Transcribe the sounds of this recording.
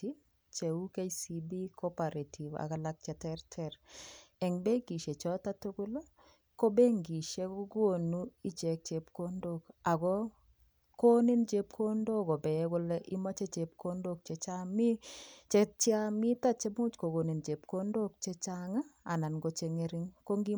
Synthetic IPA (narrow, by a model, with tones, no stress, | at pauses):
i˦ | t͡ʃe˨u˦ke˦si˨bi˦kɔ˦pa˨ɾe˨tʰi˨va̰˨ka˨la˦k̚t͡ʃɛ˨tɛ˦ɾtʰɛ˨ɾɛ˨ŋbe˦ɡi˨ʃe˨t͡ʃɔ˦ta˦tu˦ɡʊ˦lo˦ | ko˦be˦ŋɡi˨ʃe˦ko˦ɡo˦˨nu˦i˦t͡ʃɛ˨k̚t͡ʃe˨pko˦ndo˦ka˨ɡɔ˦ | ko˦ni˦nd͡ʒe˦p̚kʰo˦ndo˦kɔ˨bɛ˨˦kʊ˦lɛʔi˦ma˦t͡ʃe˦t͡ʃe˨p̚kʰo˦ndo˦k̚t͡ʃe˨t͡ʃa˦mi˦t͡ʃe˦t͡ʃa˦mi˦ta˦t͡ʃe˦mʊ˦t͡ʃko˨ɡo˨ni˨nd͡ʒe˨pko˦ndo˦k̚t͡ʃe˦t͡ʃa˦ŋa˦a˨na˨nɡo˨t͡ʃe˨ŋe˦ɾɪ˦ŋko˦ŋɡi˦